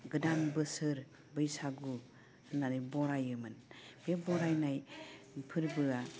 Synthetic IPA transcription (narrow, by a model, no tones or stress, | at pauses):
ɡɯdanbɯsɯɾ | bɯjsaɡu | ɯnːanɯbɔɾajɯmɯnb̥ebɔɾajnaj | pʰɯɾbɯa